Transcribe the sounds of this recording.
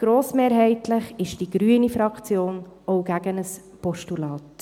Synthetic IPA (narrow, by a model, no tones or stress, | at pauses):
ɡ̥ɾoːsmeːɾɦɛɪtləχɪʃd̥iɡ̥ɾyənifɾɑkt͡sjoːnowɡ̥æɡənəs | pɔʃtulɑːt